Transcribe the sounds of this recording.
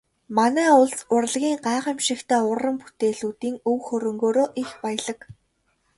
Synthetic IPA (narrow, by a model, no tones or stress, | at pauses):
manæːʊɮsʊrɮɣʲiːŋɢaːʁə̆mʃɪ̆kt̪ʰæːʊrːə̆mput̪eːɮuːt̪iːŋɵwxɵɾɵ̆ŋɡoːɾoːʔixpæjə̆ɮə̆k